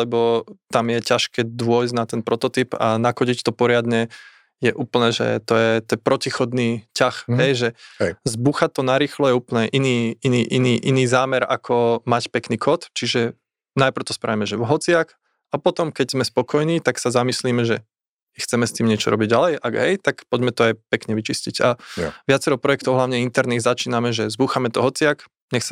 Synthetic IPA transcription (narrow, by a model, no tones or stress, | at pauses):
lɛbɔt̪amjɛcaʃkɛːd̪ʋʊɔjznat̪ɛnpɾɔt̪ɔt̪ipa̰nakɔɟict̪ɔpɔɾɪad̪ɲɛ | jɛʔuːpl̩nɛːʒɛ̰t̪ɔjɛt̪ɛnpɾɔcixɔd̪niːcaxɦɛjʒɛzbuxat̪ːɔnaɾiːxlɔjɛuːpl̩nɛːʔiniːiniːʔiniːʔiniːzaːmɛɾakʰɔmacpɛkniːkʰɔt̪t͡ʃiʒɛ | najpɾ̩ʊt̪ɔspɾa̰ʋimɛʒɛʋɦɔt͡sɪak | apɔt̪ɔmkɛɟz̥mɛspɔkɔjniːt̪aksazamisliːmɛʒɛ | ixt͡sɛmɛst̪iːmɲɪɛt͡ʃɔɾɔ̰biɟɟalɛjʔaɡɦɛjt̪akpɔɟmɛt̪ɔajpɛkɲɛʋit͡ʃisciɟaʋɪat͡sɛɾɔʊpɾɔjɛk̚t̪ɔʊɦlaʊɲɛint̪ɛɾniːɣzat͡ʃiːnamɛʒɛzbuxamɛt̪ɔɦɔt͡sɪak | ɲɛxsa